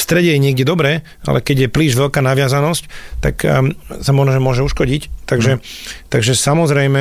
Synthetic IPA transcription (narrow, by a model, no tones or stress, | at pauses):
st̪ɾɛɟɛjɛɲɪɛɡɟɛd̪ɔbɾɛː | a̰lɛ̰kɛɟjɛpliːʒʋɛlkaːnaʋɪazanɔsct̪a̰ksamɔʒnɔʒɛmʊɔʒɛuʃkɔɟict̪aɡʒɛt̪aɡʒɛsamɔzɾɛjmɛ